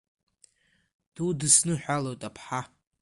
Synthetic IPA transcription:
d̥udɨsnɨħʷᶣalowtʼapʰħa

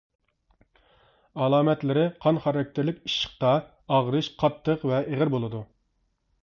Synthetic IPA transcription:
ɑlˠɑːmɛt̪lɪɾɪqʰɑnχɑɾɑk̚ʲt̪ʰɪɾlɪkʲiʃə̥χ̚t̪ɑ | ɑʁɾɨʃqʰɑt̪ʰːəqvɛʔeʁəɾbolˠɨd̪u

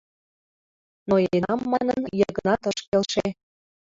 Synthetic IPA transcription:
noenɑmːɑnənjɤɣənɑt̪əʃkelʃe

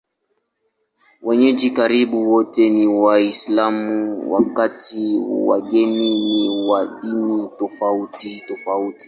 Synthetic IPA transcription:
wɛɲɛd͡ʒikaɾiɓuwɔtɛniwaislamuwa̰katiwa̰ɡɛniniwaɗinitɔfautitɔfauti̥

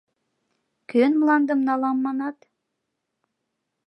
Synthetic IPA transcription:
kʲønmlˠɑnd̪ɤmnɑlˠɑmːɑnɑt̪

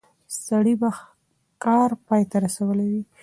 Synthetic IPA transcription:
saɽiba | kɑɾpɑjt̪aɾasawəlawi

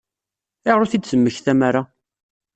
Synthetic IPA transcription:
ɪʁɾuθid̪səmːəçθæmaɾa

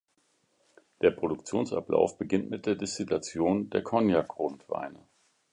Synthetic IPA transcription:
d̥eːɐpʁ̥oɾʊkt͡sjoːnsʔa̰pla̰ʊfb̥əɡɪntmɪt̚d̥eːɐdɪstilat͡sjoːndeːɐkʰɔnjakʁʊntv̥a̰ɪnə

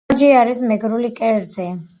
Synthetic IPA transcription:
ɾd͡ʒiaɾismɛɡɾulikʼɛɾd̪zɛ

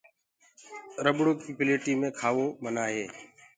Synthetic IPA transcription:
ɾəbɽoːkiːpɪleːʈiːmẽːkʰaːʋoːmənaːɦeː

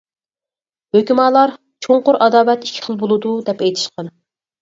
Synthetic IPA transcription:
høkʲimɑːlˠɑɾ | t͡ʃʰoɴqʊɾɑd̪ɑːvɛt̪ikʲʰːɪ̥χəlˠbolˠɨd̪ud̪ɛpɛjt̪ʰɪ̥ʃqɑn

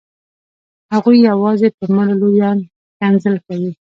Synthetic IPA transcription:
haɣujːawɑzepəɾmallojɑn | kanzəlkawi

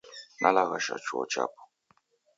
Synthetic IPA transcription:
nʔalaɣaʃat͡ʃuɔ̰t͡ʃa̰pu̥

